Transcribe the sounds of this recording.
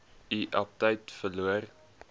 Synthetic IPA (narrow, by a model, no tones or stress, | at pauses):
iʔɐp̚təjtfəluər